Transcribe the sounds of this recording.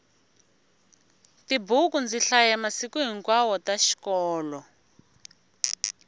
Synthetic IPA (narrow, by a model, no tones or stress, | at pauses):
tibukund͡ziɬajɛmasikuɦiŋkwawɔtaʃi̥kɔːlɔ